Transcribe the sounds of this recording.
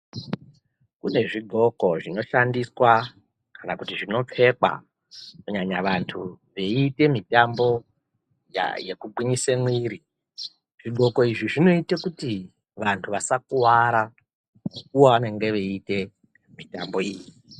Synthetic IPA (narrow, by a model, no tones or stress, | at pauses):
kune̞ʐiɡʱo̞ko̞ʐino̞ʃandiswa | kanakutiʐino̞p͡fe̞ka̰ | kuɲaɲaʋantʰuʋe̞ite̞mitambo̞ | ja̰jekuɡ͡bwiɲisemwiːɾi | ʐ̥iɡʱo̞ko̞iʐiʐino̞itekuti | ʋantʰuʋasakuwaɾa | muk̚uwaʋane̞ŋɡe̞ʋeite̞ | mitambo̞iːji